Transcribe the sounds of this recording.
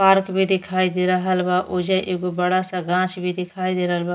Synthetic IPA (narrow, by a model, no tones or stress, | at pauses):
paːɾkbʱid̪ɪkʰaːid̪eɾəɦəlbaʔod͡ʒaʔeːɡobəɽasaɡãːt͡ʃbʱid̪ɪkʰaːid̪eɾəɦəlba